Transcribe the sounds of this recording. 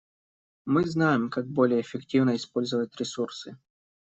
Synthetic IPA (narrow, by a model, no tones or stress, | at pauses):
mɨznajɪmkaɡ̚bo̞lʲɪjəːfʲɪktʲivnəɪspo̞lʲzəvəjt̪ʲɾʲɪsursɨ